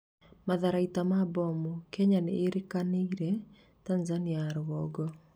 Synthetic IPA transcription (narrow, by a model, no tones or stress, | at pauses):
maðaɾaitamabɔmukɛɲaneʔːɾekaneiɾɛ | tanzaniaɾɣɔɡɔ